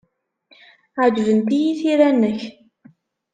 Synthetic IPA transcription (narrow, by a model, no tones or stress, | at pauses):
ʕəd͡ʒvənt̪ijiθiɾænːəç